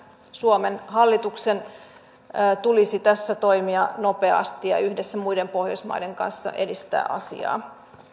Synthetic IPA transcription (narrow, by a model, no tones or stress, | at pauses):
suomenhɑlːit̪uksenː | t̪ulisit̪æsːæt̪oimiɑno̞pe̞ɑ̰st̪ijɑ̰yhdesːæmuidempo̞hjosmɑ̰ide̞ŋkɑ̰nsːɑ̰ʔḛdist̪æ̰ːʔɑ̰sḭɑ̰ː